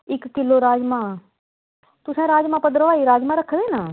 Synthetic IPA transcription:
ɪkːɪloɾaːd͡ʒmã | t̪ʊsɛ̃ːɾaːd͡ʒmãːpəd̪ɾəʋaːiɾaːd͡ʒmãɾəkʰʋeːnə

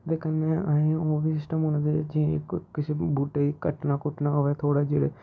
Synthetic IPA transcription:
d̪eːkənːeːəẽoːbiːsɪsʈəmɦoːnãd̪ed͡ʒḭ̃kkɪsebuːʈeːikəʈnaːkʊʈnaːoʋɛːt̪ʰoːɽaːd͡ʒeːɽeː

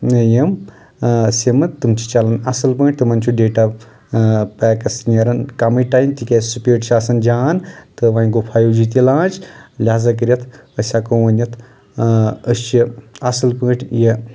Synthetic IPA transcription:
nəjɐm | semɐt̪ːɨmt͡ʃʰi̥t͡ʃalɐnɐsɐlpəːʈ̚ʲt̪ɨmɐnt͡ʃʰuɖeːʈa | pɛːkɐsnɐɾɐnkamiʈaːjmt̪ikesupʲeːʈt͡ʃʰaːsɐnd͡ʒaːnt̪ɨʋaːĩɡopʰaːjuːd͡ʒit̪ilãːnt͡ʃlʲaːzɐk̬ɨɾʲjɐt̪ʰəsʲakoʋɐnʲjɐt̪ʰ | əst͡ʃiɐsɐlpəʈʰje

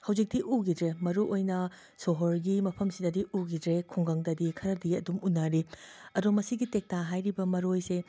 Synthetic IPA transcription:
hɐwd͡ʒik̚diʔuɡidɾemɐɾuʔojnɐ | soɦoɾɡimɐpʰɐmsidɐdiuɡidɾekʰuŋɡɐŋdɐdikʰɐɾɐdiɐdumunːaɾiɐdumɐsiɡitek̚taɦajɾibɐmɐɾojse

